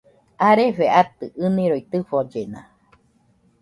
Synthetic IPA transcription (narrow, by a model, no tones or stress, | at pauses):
aɾefeat̪ɨʔɨnĩɾoit̪ɨfod͡ʒena̰